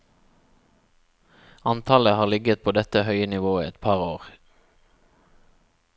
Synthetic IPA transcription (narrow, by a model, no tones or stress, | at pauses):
ɑnt̪ʰɑːləhɑːʁlɪɡət̪̚pʰoːd̪ɛt̪əhœʏənɪʋoːḭɛt̪pʰɑːʁoːʁ